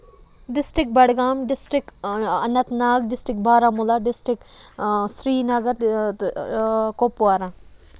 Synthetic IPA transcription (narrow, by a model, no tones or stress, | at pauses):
ɖɪsʈɾɪk̚bɐɽɡaːmɖɪsʈɾɪkɐnːɐt̪naːɡɖɪsʈɾɪkbʱaːɾamulaɖɪsʈɪk | sɾiːnɐɡɐɾ | kopuaːɾãː